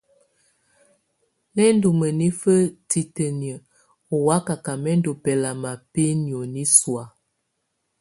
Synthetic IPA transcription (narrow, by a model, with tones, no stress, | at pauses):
nɛ˦n˦du˨mə˨ni˦fə˦ti˨tə˨njə˨ | o˨wa˨˦ka˨ka˨mɛ˦n˦do˨pɛ˨la˨ma˨pe˦njo˨ni˦swa˨